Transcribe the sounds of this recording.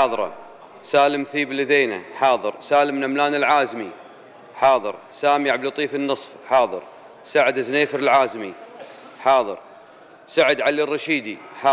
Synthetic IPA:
ðˤɾˤɑ̰ | saːləmθiːblːiðeːna̰ħɑːðˤɨɾsaːləmnamlaːnɪlʕaːzmi | ħɑːðˤɨ̰ɾsaːmiʕablut̪ˤiːfənːɨsˤfħɑːðˤɨ̰ɾ | saʕɪd̪ɪzneːfəɾɪlʕaːzmi | ħɑːðˤɨ̰ɾ | saʕɪd̪ʕalirːɑʃiːd̪iħ

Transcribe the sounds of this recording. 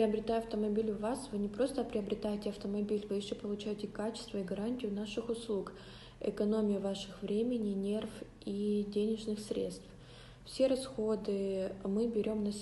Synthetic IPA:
pɾʲɪɐbɾʲɪt̪ajʊɐft̪əmɐbʲilʲʊvasvɨnʲɪpɾo̞st̪əpɾʲɪɐbɾʲɪt̪ajɪtʲɪɐft̪əmɐbʲilʲvɨɪʂɪpəlˠʊt͡ɕæjɪtʲɪkat͡ɕɪ̥st̪vəiɡɐɾanʲtʲɪjʊn̪aʂɨxʊslˠuk | ɨ̰kɐno̞mʲɪjʊvaʂɨxvɾʲemʲɪnʲɪnʲe̞rf | idʲenʲɪʐnɨxsɾʲḛt̪st̪f | fsʲe̞ɾɐsxo̞d̪ɨmɨbʲɪɾʲo̞mnɐ

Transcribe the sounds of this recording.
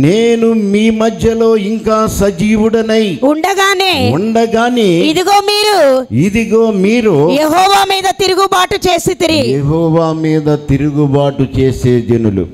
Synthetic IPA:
neːnumiːmɐd̪ʱjɐlo̞ːiŋkaːsɐd͡ʒiːʋuɽɐnɐjuɳɖɐɡaːneːuɳɖɐɡaːneːid̪iɡo̞ːmiːɾuid̪iɡoːmiːɾoːjeɦɔːʋaːmiːd̪ɐt̪iɾuɡubaːʈut͡ʃe̞ːsit̪iɾijeɦɔːʋaːmiːd̪ɐt̪iɾuɡubaːʈut͡ʃe̞ːse̞ːd͡ʒɐnulṵ

